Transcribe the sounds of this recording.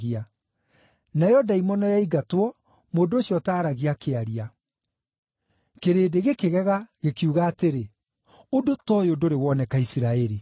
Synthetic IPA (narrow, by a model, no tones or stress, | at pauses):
ɣia | naeɔdaimɔnɔjaiɡatwɔ | moːndoːɕjɔtaːɾaɣiakeaɾia | keɾeːdeɣekeɣɛɣaɣekiuɣaːteɾe | odotɔjodoɾewɔːnɛkaisiɾaɛɾi